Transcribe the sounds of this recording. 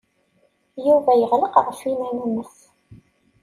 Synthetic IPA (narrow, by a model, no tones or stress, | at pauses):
juvæjəʁləqʁəfimænæməθ